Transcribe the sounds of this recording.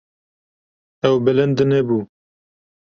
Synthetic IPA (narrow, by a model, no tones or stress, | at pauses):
ɛwbɪlɨnd̪ɨnebuː